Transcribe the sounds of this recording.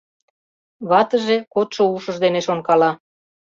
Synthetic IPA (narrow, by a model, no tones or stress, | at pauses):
βɑt̪əʒekot̪ʃouʃəʒd̪eneʃonkɑlɑ